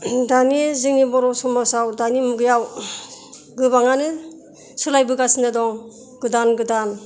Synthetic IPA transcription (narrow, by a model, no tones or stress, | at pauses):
danizɯŋnibɔɾɔsɔmasawdanimuɡɯjaw | ɡɯβaŋanɯ | sɯlajbɯɡasindadɔŋ | ɡɯdanɡɯdan